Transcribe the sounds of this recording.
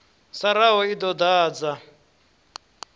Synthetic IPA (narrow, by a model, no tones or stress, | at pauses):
saɾaɦɔid̪ɔd̪aːd͡za